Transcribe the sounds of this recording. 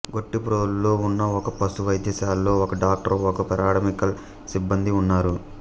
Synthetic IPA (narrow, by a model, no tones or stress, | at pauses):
ɡo̞ʈːipɾoːllo̞ːunːɐɔkɐpɐsuʋɐjd̪ʱjɐsaːlːo̞ːɔkɐɖaːk̚ʈɐɾɔkɐpɐɾaːʈɐmikɐl | sibːɐnd̪iunːaːɾu